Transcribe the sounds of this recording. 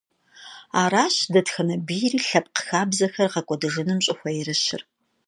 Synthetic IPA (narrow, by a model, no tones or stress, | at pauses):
aːɾaːɕdɐtxɐnɐbijriːɬɐp̚ʼqə̥xaːbzɐxɐrqɐkʷʼɔdɨʒɪnɨmɕʼɪxʷɐjɪrɨɕɪ̰r